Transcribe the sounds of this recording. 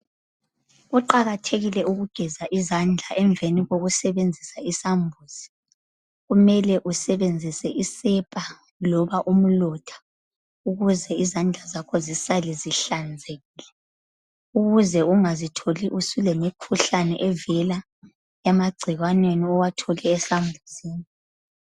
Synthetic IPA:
uǃaɣatʰeɣilɛuɣuɡ̥ʱɛzaʔizand͡ɮʱaʔɛɱveniɣoɣusɛβend͡zʱisaisambʱuːz̥i̥ | ɣumɛlɛʔusɛβend͡zʱisɛʔisɛpʼa | lɔβaʔum̩lɔtʰḁ | uɣuzɛizand͡ɮʱazakʰɔzisalɛziɬand͡zʱeɣiːlɛ | uɣuzɛuŋazitʰoliʔusulemikʰuɬanɛʔɛvɛla | jamaɡ͡ǀʱiɣwanweniɔwatʰɔlɛːsambʱuziːni

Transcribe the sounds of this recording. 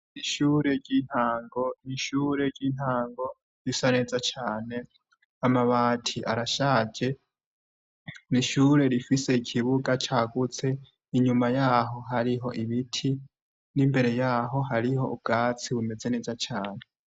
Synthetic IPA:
iʃuːɾe̞ɾɟiːn̥haːŋɡo̞niʃuːɾe̞ɾɟiːn̥haːŋɡo̞ | ɾisane̞zat͡ʃaːne̞ | amaβaːtʰiʔaɾaʃaːd͡ʒe̞ | niʃuːɾe̞ɾifise̞ikʰiβuɡat͡ʃaːɡut͡se̞ | iɲumajaːɦo̞ɦaɾiɦo̞ʔiβitʰi | nimbe̞ɾe̞jaːɦo̞ɦaɾiho̞̰ub̚ɡaːt͡siβume̞ze̞ne̞zat͡ʃaːne̞

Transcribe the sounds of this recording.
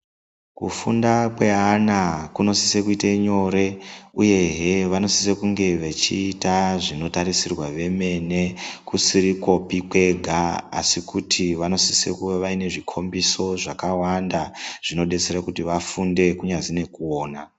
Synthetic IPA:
kṵfundakwe̞ɦanakuno̞si̥se̞kuiteɲo̞ɾe̞uje̞ɦeʋano̞sise̞kuŋɡe̞ʋet͡ʃiːtaʐino̞taɾisirwaʋe̞me̞ne̞kusiɾiko̞pikwe̞ɡʱaa̰sikutʰiʋano̞sisḛkueʋaine̞ʐikʰo̞mbiso̞ʐakawandaʐ̥ino̞ɗe̞t͡serakutiʋafunde̞kuɲazine̞kuoːna

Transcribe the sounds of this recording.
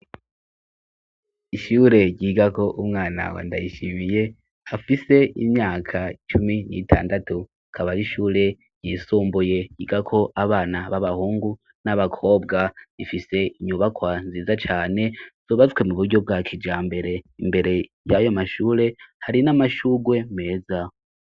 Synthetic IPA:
iʃuːɾe̞ɟiːɡako̞ʔumŋaːna̰wa̰ːnda̰jiʃimije̞ | afise̞imɲaːkʰat͡ʃuminḭtʰa̰ːndatu | akʰaβaɾiʃuːɾe̞ | ɾ̥ɟiːsuːmbuje̞jiːɡakʰo̞ʔaβaːnaβaβahuːŋɡu | naβakʰo̞ːbɡaifise̞iɲuβakwanziːzat͡ʃaːne̞z̥oːβazkwe̞muβuɾɟo̞b̚ɡaːkʰid͡ʒaːmbe̞ɾe̞imbe̞ɾe̞ | jajo̞maʃuːɾe̞haɾinamaʃuːɡwe̞me̞ːza

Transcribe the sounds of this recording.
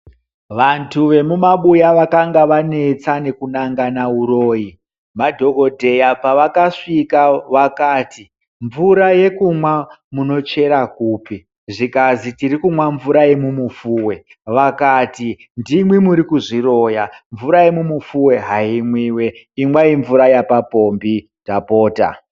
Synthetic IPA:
ʋantʰuʋe̞mumaɓujaʋakaŋɡaʋane̞t͡sane̞kunaŋɡanauroːji | madʱo̞ko̞dʱe̞japaʋakaʂikaʋakaːti | ɱvuɾaje̞kumwamuno̞t͡ʃe̞ɾakuːpi | ʐikazitiɾikumwaɱvuɾaje̞mumufuːwe̞ | ʋakaːti | ndimwimuɾikuʐiro̞jaɱvuɾaje̞mumufuwe̞ɦaimwiːwe | imwaiɱvuɾajapapo̞mbi | dapo̞ːta̰

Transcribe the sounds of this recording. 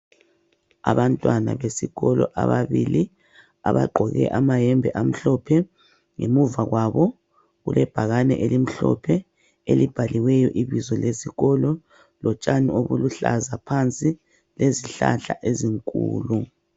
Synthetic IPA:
a̰βantʼwana̰βesiɣɔlɔʔaβaβili | a̰βa̰ǃʱɔɣɛ̰ʔamajɛmbʱɛʔam̩ɬɔpʰɛ | ŋemuvaɣwaβɔ | ɣulɛb̥ʱaɣanɛ̰ʔelim̩ɬɔ̰pʰɛ | elib̥ʱaliwɛjɔʔiβizɔlesiɣɔlɔ | lɔt͡ʃʼanioβuluɬazapʰant͡sʼi | leziɬa̰ɬaʔeziŋkʼṵːlu

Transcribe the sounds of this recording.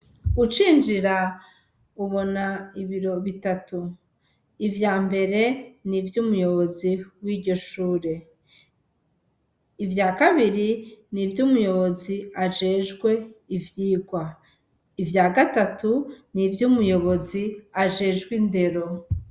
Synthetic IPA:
ɡut͡ʃiːnd͡ʒiɾa | uβo̞naiβiɾo̞βitatu | ivjaːmbe̞ɾe̞nivjuːmujo̞βo̞ziwiːɟo̞ʃuːɾe̞ | ivjaːkaβiɾinivjumujo̞βo̞ziaʒe̞ːʒɡwe̞ivjiːɡwa | ivjaːɡatatunivjumujo̞βo̞ziaʒe̞ːʒɡwinde̞ɾo̞

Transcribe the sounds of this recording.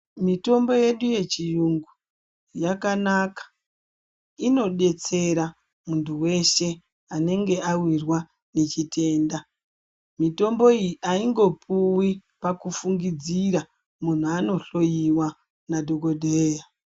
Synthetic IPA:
mito̞mbo̞je̞ɗuje̞t͡ʃijuŋɡu | jakanakḁ | ino̞ɗe̞t͡se̞ɾa | muntuwe̞ʃe̞ | ane̞ŋɡe̞awirwa | ne̞t͡ʃitʰe̞ːnda | mito̞mbo̞iʔaiŋɡo̞pʰuwi | pakufuŋɡid͡ziɾa | mun̤uano̞ɬo̞jiwa | nadʱoɡodʱeja

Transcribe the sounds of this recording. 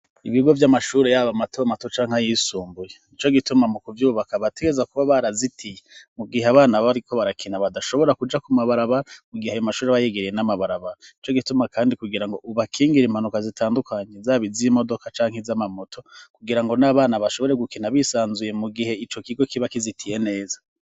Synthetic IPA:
iβiɡo̞vjamaʃuːɾejaβamatʰomato̞t͡ʃaːŋ̥ajisuːmbujenit͡ʃo̞ɡitumamukuvjuːβakaβate̞ɡezakuβaβaɾazitʰijemuɡiɦeaβaːnaβaɾiko̞βaɾakʰinaβadaʃo̞βo̞ɾakud͡ʒakumaβaɾaβaɾamuɡiheajomaʃuːɾeβajeɡeɾijenamaβaɾaβaɾanit͡ʃo̞ɡitumakʰaːndikuɡiɾaŋɡo̞ʔuβakʰiːŋɡiɾim̥hanukazitʰaːndukʰaɲe̞zaβizimo̞do̞kat͡ʃaːŋ̥hezamamotʰo̞kuɡiɾaŋɡo̞naβaːnaβaʃo̞βo̞ɾeɡukinaβisaːnzuje̞muɡihe̞it͡ʃo̞kiɡo̞kiβakizitʰije̞ne̞ːzḁ

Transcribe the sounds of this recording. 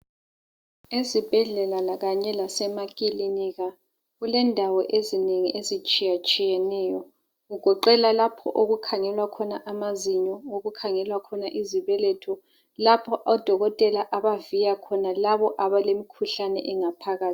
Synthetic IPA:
ezib̥ʱɛɮɛlalaɣaɲɛlasɛmakʼiliniɣa | ɣulɛndʱawɔʔezineŋiʔezit͡ʃʼijat͡ʃʼijɛnɛːjɔ | ɣuɡ̥ʱɔǃɛlalapʰɔ̰ʔoɣukʰaŋɛlwakʰɔnaʔamaziɲɔoɣukʰaŋɛlwakʰɔnaʔiziβɛlɛtʰɔ | lapʰɔʔɔd̥ʱɔɣɔtʼɛlaʔaβavijakʰɔnalaβɔʔaβalemikʰuɬanɛ̰ʔɛŋapʰaɣaːi

